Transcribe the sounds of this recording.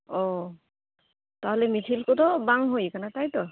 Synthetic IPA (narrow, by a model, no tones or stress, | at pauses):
ɔ | taɦɔlɛmitʰilkotɔbaŋɦojkanatajtɔ